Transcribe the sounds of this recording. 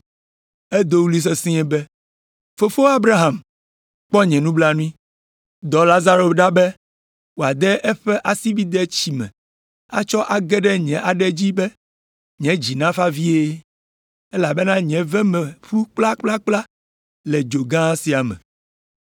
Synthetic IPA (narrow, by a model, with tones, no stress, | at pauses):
ɛ˦d̪o˦wu˦li˦s̬e˦sĩ˦ɛ˦bɛ˦ | fo˨fo˦a˦bɾa˦ɦa˨m | k͡pɔ˦ɲɛ̃˨nũ˦bla˦nũ˦ĩ˦ | d̪ɔ˨la˦za˦ɾo˨ɖa˦bɛ˦ | wo˨a˨d̪ɛ˦ʔɛ˦ɸɛ˦ʔa˨si˦bi˦d̪ɛ˦t͡ɕi˨mɛ̰̃˨ | a̰˦t͡ʃɔ˦ʔa˨ɡɛ˦ɖɛ˦ɲɛ̃˨ʔa˨ɖɛ˦d͡ʑi˦bɛ˦ | ɲɛ̃˨˦d͡ʑi˨nã˦fa˦vi˦e˦ | e˦la˨bɛ˦nã˦ɲɛ̃˨vɛ˦mɛ˨ɸu˦k͡pla˦k͡pla˦k͡pla˦ | lɛ˨d͡ʒo˨ɡã˦si˨a˨mɛ̰̃˨